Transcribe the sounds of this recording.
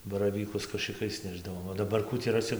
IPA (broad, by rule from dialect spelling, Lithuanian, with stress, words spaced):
bɐrɐˈʋʲiːkʊs kɐʃɨˈkɐɪs ˈnʲæːʒdɐʋoːm oː dɐˈbɐr ˈkuː tʲiː rɐˈsʲɪ